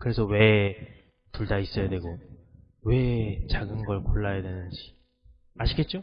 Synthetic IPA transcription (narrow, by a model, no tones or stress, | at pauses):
kɯɾe̞sʰʌwe̞ | tuɭdais͈ʌjadwe̞ɡo | we̞t͡ɕaɡɯnɡʌɭkoɭːajadwe̞nɯnd͡ʑi̥ | aɕʰiɡe̞t̚t͡ɕ͈o